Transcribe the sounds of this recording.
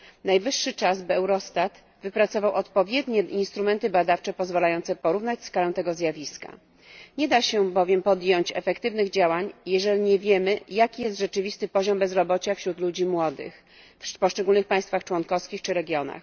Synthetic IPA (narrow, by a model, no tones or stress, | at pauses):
najvɘʂːɘt͡ʂazbɘɛwɾɔst̪at̪ | vɘpɾat̪sɔvawɔt̪pɔvʲjɛd̪ɲɛinst̪ɾumɛnt̪ɘbad̪aft͡ʂɛpɔzvalajɔnt̪sɛpɔɾuvnat͡ɕskalɛ̃w̃t̪ɛɡɔzʲjavʲiska̰ | ɲɛd̪aɕɛbɔvʲjɛmpɔd̪jɔɲt͡ɕɛ̰fɛkt̪ɘvnɘɣd͡ʑawaɲjɛʐɛlʲiɲɛvʲjɛmɘjakʲijɛst̪ʐɛt͡ʂɘvʲist̪ɘpɔʑɔmbɛzɾɔbɔt͡ɕafɕɾut̪lud͡ʑimwɔd̪ɘ̰x | fpɔʂt͡ʂɛɡulnɘxpajst̪faxt͡ʂwɔnkɔfskʲixt͡ʂɘɾɛɡʲjɔna̰x